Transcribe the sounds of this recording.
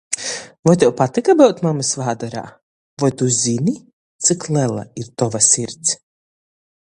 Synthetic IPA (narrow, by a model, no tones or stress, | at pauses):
vɔjt̪̬ɛwpat̪ikabɛwt̪mamɨsvaːd̪aɾa̰ː | vɔjt̪uzʲini | t̪sɨklˠɛlˠa̰iɾt̪ɔvasʲiɾt̪s